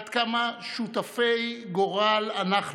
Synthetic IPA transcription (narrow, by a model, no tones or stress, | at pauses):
d̪kamaʃut̪afejɡoʁalanaχ